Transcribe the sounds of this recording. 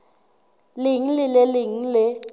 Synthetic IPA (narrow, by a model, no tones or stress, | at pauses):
lɪŋ̩lɪlɛlɪŋ̩lɪ